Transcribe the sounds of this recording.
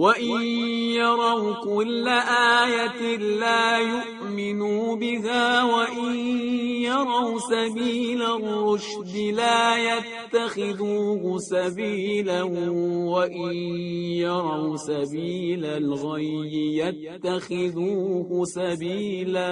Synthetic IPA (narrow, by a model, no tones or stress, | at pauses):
waʔɪnjɑɾˤɑwkʊlːaʔaːjat̪ɪlaːjʊʔ | mɪnubɪɦaːwaʔɪnjɑɾˤɑwsabiːlarːʊʃ | d̪ɪlaːjat̪ːaxɪðuːhʊsabiːlawaʔɪnjɑɾˤɑwsabiːlalɣajːɪjat̪ːaxɪðuːhʊsabiːla